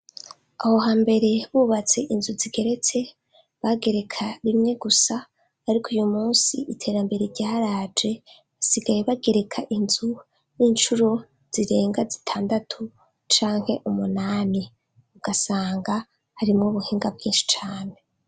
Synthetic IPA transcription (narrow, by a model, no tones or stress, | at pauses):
aho̞ɦaːmbe̞ɾe̞βuːβat͡se̞ʔinzuziɡe̞ɾe̞t͡se̞ | βaɡe̞ɾe̞kʰaɾimŋe̞ɡusaː | ɾikʰujumuːnsiʔitʰe̞ːɾambe̞ɾeɾɟaːɾaːd͡ʒe̞ | βasiɡajeβaɡe̞ɾe̞kʰaʔinzu | niːnt͡ʃuɾo̞ | z̥iɾe̞ːŋɡazitʰaːndatʰu | t͡ʃaːŋ̥he̞ʔumunaːni | uɡ̥asaːŋɡa | haɾimŋoβuhiːŋɡabɡiːnʃi̥t͡ʃaːne